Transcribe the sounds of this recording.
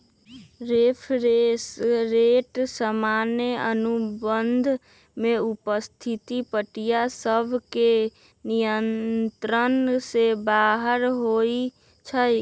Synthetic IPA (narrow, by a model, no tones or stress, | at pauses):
ɾepʰɾeɾeʈsəmaneənubənd̪ʱ | meupəst̪ʰit̪ipəʈijasəbʱke | nijənt̪ɾənsebaːɦəɾɦoi | t͡ʃʰə